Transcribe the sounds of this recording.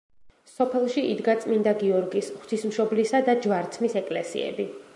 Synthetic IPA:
sɔpʰɛlˠʃiid̪ɡat̪sʼmind̪aɡiɔɾɡisχt̪ʰismʃɔblisad̪ad͡ʒvaɾt̪sʰmisɛkʼlɛsḭɛ̰bi

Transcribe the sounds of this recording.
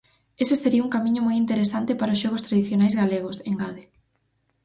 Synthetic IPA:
eseseɾiuŋkamĩɲʊmojint̪eɾesant̪epaɾaoʊsʃɔɣ̞ost̪ɾaðiθjonajzɣaleɣʊseŋɡaðe

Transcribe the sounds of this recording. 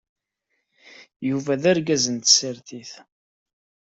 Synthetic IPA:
juvæðæɾɡæzənt̪səɾθiθ

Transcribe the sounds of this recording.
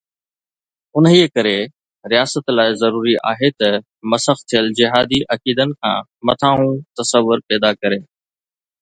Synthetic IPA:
ʊniːekɐɾe | ɾɪjaːsət̪laːɪzɐɾuːɾiʔa̰ːɦet̪ɐ | mɐsəxt̪ʰijəld͡ʑɪɦaːd̪iʔɐkiːd̪ənɪ̆kʰã̰ː | mɐt̪ʰaːɦũt̪ɐsəʋːʊɾpɛːd̪akɐɾeː

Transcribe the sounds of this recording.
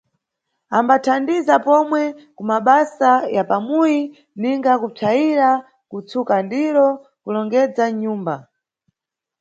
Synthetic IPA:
ambatʰandizapɔmwɛkumaɓasajapamuji | niŋɡakutʰaiɾa | kut͡sukandiɾɔ | kulɔŋɡɛd͡zaɲuːmba

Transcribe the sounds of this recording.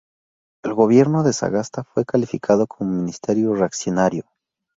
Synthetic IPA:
e̞lɣo̞βje̞ɾno̞ðe̞sa̰ɣast̪afwe̞kalifikʰaðo̞kʰo̞momĩnist̪e̞ɾjoreaksjonaɾjo̞

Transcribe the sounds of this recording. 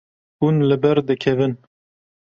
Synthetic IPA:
unlɨbɛɾd̪ɨkʰɛvɨn

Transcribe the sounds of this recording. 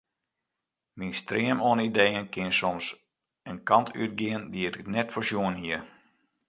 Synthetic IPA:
minstriəmoənidejənkɪnsɔms | ənkɑntʰy̰t̚ɡɪəndiətnɛtfərsjuənɦiə

